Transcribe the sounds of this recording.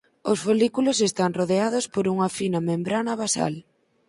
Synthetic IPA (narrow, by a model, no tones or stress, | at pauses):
osfolikulos̬est̪aŋroðeað̞ospoɾuŋafinɐmẽmbɾanɐβasa̰l